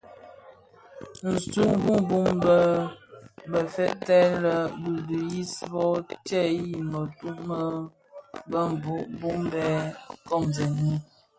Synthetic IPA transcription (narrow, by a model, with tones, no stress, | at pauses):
n̩˨su˦ŋ˦ɡu˦mbu˦mbə˦ | bə˨fɛ˦tɛ˦lə˨bu˨du˨ji˦sbɔ˦t͡ʃɛ˦˨ji˨mə˨tu˦mə˦ | bə˦m˨bu˦ʔbu˦mbɛ˦kɔ˦˨mzɛ˨ni˦